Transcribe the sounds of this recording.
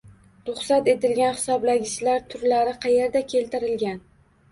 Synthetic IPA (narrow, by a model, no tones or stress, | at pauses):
ɾʊχsat̪e̞t̪ɪlɡʲanhɪ̥sɒblaɡʲɪʃlaɾt̪ʰʊɾlaɾɪqʰɑje̞ɾd̪akʲʰe̞lt̪ɪɾɪlɡʲan